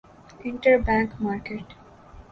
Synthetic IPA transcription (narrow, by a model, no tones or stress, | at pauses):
ɪ̃ɳʈəɾbæ̃ŋkmaːɾkeʈ